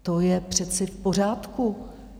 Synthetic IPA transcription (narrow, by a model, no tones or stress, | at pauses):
t̪ojɛpr̝̥ɛt͡sɪfpo̞r̝aːt̪ku